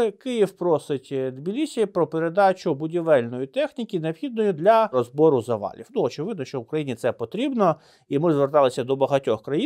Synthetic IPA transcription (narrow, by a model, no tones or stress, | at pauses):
ɪkɪjiwpɾɔsɪtʲd̪bʲilʲisʲijɐpɾɔpeɾe̞d̪ɑt͡ʃʊbʊdʲiʋɛlʲnɔjit̪ɛxnʲikʲineɔpxʲid̪̚nɔjid̪lʲɐɾɔzbɔɾʊzɐʋɑ̰lʲḭwnuɔt͡ʃɪʋɪd̪̚nɔʃt͡ʃɔʊkɾɐjinʲit̪sɛpɔt̪ɾʲibnɔ | imɪzʋert̪ɑlˠɪsʲɐd̪ɔbɐɦɐtʲɔxkɾɐji